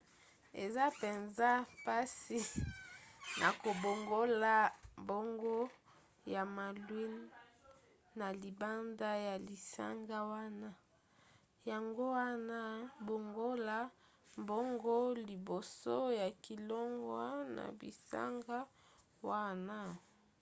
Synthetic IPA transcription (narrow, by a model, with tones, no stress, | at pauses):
e˨za˦pe˨nza˦pa˦si˦ | na˨ko˨bo˨ŋɡo˦la˦mbo˦ŋɡo˦ | ja˨ma˨lwi˦n˦ | na˨li˨ba˦nda˦ja˨li˨sa̰˦ŋɡa˦wa˦na˦ | ja˨ŋɡo˦wa˦na˦bo˨ŋɡo˦la˦ | mbo˦ŋɡo˦li˨bo˨so˦ja˨ki˨lɔ˦ŋɡwa˦na̰˨bḭ˨sa̰˦ŋɡa˦ | wa˦na˦